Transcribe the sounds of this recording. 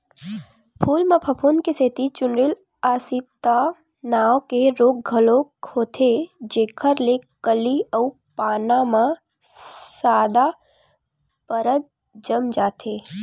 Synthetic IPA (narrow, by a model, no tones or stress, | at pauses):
pʰuːlmãpʰəpʰonkeseːt̪it͡ʃʊnɾɪl | aːsit̪a | naːʋkeɾoːk̚ɡʱəlokʰoːt̪ʰed͡ʒeːkʰəɾlekəliəu | paːnamã | saːd̪a | pəɾət̪̚ | d͡ʒəmd͡ʒaːt̪ʰeː